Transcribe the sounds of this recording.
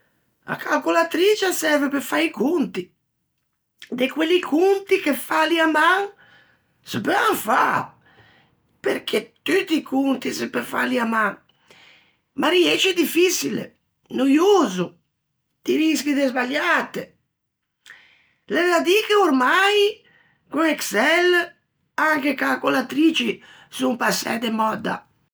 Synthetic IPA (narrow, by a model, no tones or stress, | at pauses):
a̰kʰalkulat̪ɾit͡ʃasɛɾvepefaikunt̪i | d̪ekwelikʰunt̪ikefaliamaŋ | səpøaŋfa̰ | peɾk̟ʰet̪yt̪ːikʰunt̪isepefa̰liamaŋ | maɾiɛt͡ʃɛd̪ifisilḛ | nujuːzu | d̪̥iɾiskid̪ezbaʎːat̪e | lɛɾad̪ikeoɾmaj | kuŋɛksɛl | aŋkekakolat̪ɾiːt͡ʃi | sumpasːɛ̰d̪emɔd̪a̰